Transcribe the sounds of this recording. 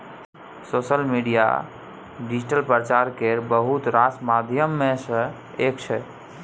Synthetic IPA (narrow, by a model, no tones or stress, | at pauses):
sosəlmiɖija̰ | ɖid͡ʒiʈəlpɾəət͡ʃaɾkeɾbəɦut̪ɾasmad̪ʱjəmːẽsə̃ | ekt͡ʃʰɛ